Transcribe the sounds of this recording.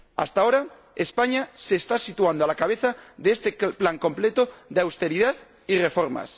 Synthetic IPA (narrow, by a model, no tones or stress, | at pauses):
a̰st̪aoɾa | espaɲaseːst̪asit̪uand̪oalakaβ̞e̞θaðeest̪eplaŋko̞mple̞t̪oðeawst̪e̞ɾiðað | ire̞fo̞ɾma̰s